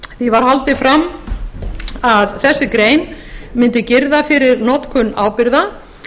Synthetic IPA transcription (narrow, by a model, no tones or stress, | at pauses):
θivaɾ̥halt̪ɪfɾamː | aðθɛsːɪkɾeːjnmɪnt̪ɪcɪɾðafɪɾɪɾnɔt̪kʰʏnːa̰ːwpɪɾða